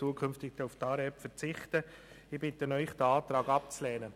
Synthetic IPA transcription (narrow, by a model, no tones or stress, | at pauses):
uːkʰʏnftɪɡ̚d̥ɛuftɑːɾɛpfəɾt͡sɪχtə | ɪb̥ɪtənœʏχd̥əɑːtɾɑːɡɑp̚t͡slɛːnə